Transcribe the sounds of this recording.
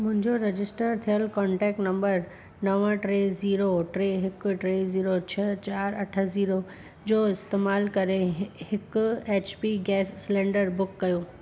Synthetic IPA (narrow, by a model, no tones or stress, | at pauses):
mʊ̃ɦɪ̃ɲd͡ʑoɾɐd͡ʑɪsʈəɾt̪ʰijəlkɔ̃ːɳʈɛːk̚ʈnɐ̃mbəɾ | nɐʋə̃ʈɾeːziːɾoʈɾeːɦɪkʈɾeːziːɾot͡ɕʰɐt͡ɕaːɾɐʈʰə̆ziːɾo | d͡ʑoːɪst̪eːmaːlkɐɾehɪkʊeːt͡ɕpiɡɛːsːlẽːɳɖəɾbʊkːɐjoː